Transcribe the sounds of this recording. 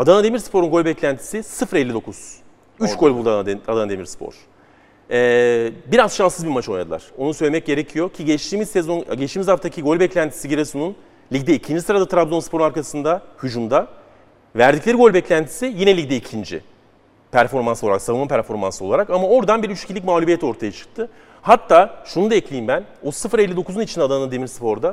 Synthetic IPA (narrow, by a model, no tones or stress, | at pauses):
ad̪anad̪e̞miɾspʰo̞ɾunɡo̞lʲbɛclʲænt̪ʰi̥sisɯfɾɛlʲːid̪o̞kʰuz̥ | yt͡ʃɡo̞lʲbulˠd̪ad̪anad̪emiɾspʰo̰ɾ̥ | ɛːbiɾazʃansɯzbiɾmat͡ʃʰojad̪ɯlˠa̰ɾ̥o̞nusøjlʲemɛc̚ɟe̞ɾecʰijo̞cʰiɟɛt͡ʃt̪ʰiːmizsɛzo̞nɟɛt͡ʃt̪iːmizhaft̪ʰacʰiɡo̞lʲbɛclʲænt̪ʰi̥siɟiɾɛsunun | lʲiɟd̪ɛicʰind͡ʒisɯɾad̪at̪ɾabzo̞nspʰo̞ɾunaɾkʰasɯnd̪ahud͡ʒumd̪a | væɾd̪iclʲeɾiɡo̞lʲbɛclʲænt̪ʰi̥sijinɛlʲicd̪ɛicʰind͡ʒḭ | pʰæɾfo̞ɾmansoaɾaksavɯnmapʰæɾfo̞ɾma̰nso̞lˠaɾakamao̞ɾd̪anbiɾyt͡ʃi̥cʰilʲicʲmaːlʲubijɛt̪o̞ɾt̪ʰajat͡ʃʰɯ̥k̚t̪ʰɯ | hat̪ʰːaːʃunud̪aɛclʲejimbænosɯfɯɾɛlʲːid̪o̞kʰuzunit͡ʃʰind̪ɛad̪anɯnad̪e̞miɾspʰo̞ɾd̪a